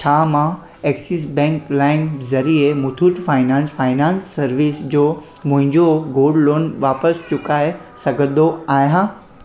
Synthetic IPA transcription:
t͡ɕʰaːmã | eːksis̬bɛ̃ːŋklaːɪŋkzɐɾiemʊt̪ʰuːʈfaːɪnãːnsfaːɪnãːnsːɐɾʋisd͡ʑoː | mʊ̃ɦɪ̃ɲd͡ʑoɡoːɖloːnʋaːpəst͡ɕʊkaːesɐɡʱə̃d̪oaːjãː

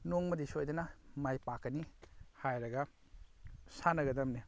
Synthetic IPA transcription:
noŋmɐdisojdɐnamajpakːɐnihajɾɐɡa | sanɐɡɐdɐmni

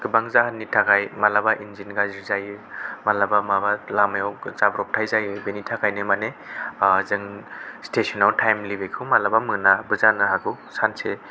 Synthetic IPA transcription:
ɡ̥ɯbaŋzaɦanːitʰakʰajmalabaʔinzinɡaziɾzajmalabamabalamajawzabɾɔp̚tʰajzajɯbenitʰakʰajnemane | zɯŋstesɔnawtʰajmlibekʰɯwmalabamɯnabɯzanaɦaɡʰɯw | sanse

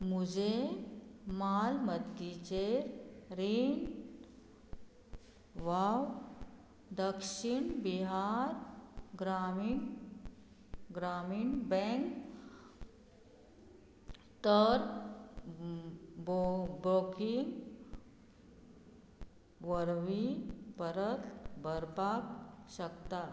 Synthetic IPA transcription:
mud͡ʑe | malməd̪it͡ɕeɾɾin | ʋaw | d̪əkʂiɳbiɦaɾɡɾamin | ɡɾamiɳbɛ̃ŋk | t̪əɾ | bɾokiŋɡ | ʋəɾʋipəɾət̪bʱəɾpakɕəkt̪at̪

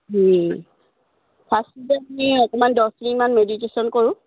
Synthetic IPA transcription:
ɦi | pʰastitɛmiɔkɔmandɔsdinimanmeditesɔnkoɹʊ̃

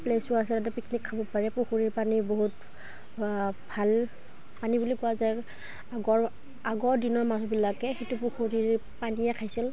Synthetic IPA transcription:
plesʊɹasɛtat̬ɛpiknikʰːabɔpaɹɛpuxuɹiɹpaniboɦut | bʱal | panibulikʊazaj | aɡɔɹ | aɡɔɹdinɔɹmazɔbilakɛxetupuxuɹiɹpaniɛkʰajsil

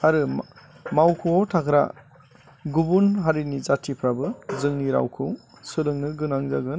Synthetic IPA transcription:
aɾɯ | mawkʰuotʰakʰɾa̰ | ɡubunɦaɾinizatʰipʰɾabɯzɯŋniɾa̰wkʰɯw | sɯlɯŋnɯɡɯnaŋzaɡɯn

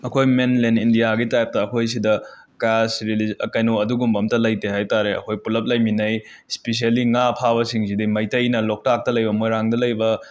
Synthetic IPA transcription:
ɐkʰojmenlenindijaɡitajp̚tɐːkʰojs̬idɐ | kasɾilizɐkɐjnuɐduɡumbɐmtɐlɐjtehajtaɾeɐ̰kʰojpulɐp̚lɐjminɐj | spes̬ialiŋapʰaβɐsiŋsidimɐjtɐjnɐlok̚tak̚tɐlɐjbɐmojɾaŋdɐlɐjbɐ

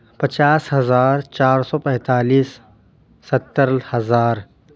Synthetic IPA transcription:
pɐt͡ʃaːsɦɐzaːɾt͡ʃaːɾsɔːpɛ̃ːt̪aːliːsː | ɐt̪ːəɾlhɐzaːɾ

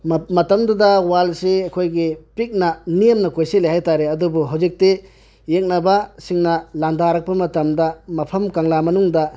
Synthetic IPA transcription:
mɐtɐmdudɐwalseɐkʰojɡipik̚nɐnijɐmnɐkojselehajtaɾeɐdubuɦawzik̚te | jek̚nɐbɐsiŋnɐlandaɾɐk̚pɐmɐtɐmdɐmɐpʰɐmkaŋlamɐnuŋdɐ

